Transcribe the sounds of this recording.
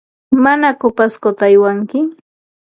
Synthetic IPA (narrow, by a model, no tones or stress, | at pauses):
manakopaskot̪aːjwaŋkɪ